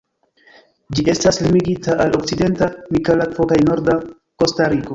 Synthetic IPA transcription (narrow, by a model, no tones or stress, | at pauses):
d͡ʒiʔe̞staslimiɡitaʔalo̞k̚t͡side̞ntamikalakfo̞kajno̞ɾda | ko̞staɾiko̞